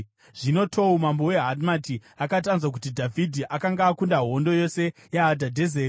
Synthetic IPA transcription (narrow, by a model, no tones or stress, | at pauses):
ʐ̥ino̞tʰo̞umambowe̞ɦadmatiakatanzwak̬utidʱavʱidʱiʔakaŋɡaːkundaɦo̞ndo̞jo̞sejeadʱadʱezeːr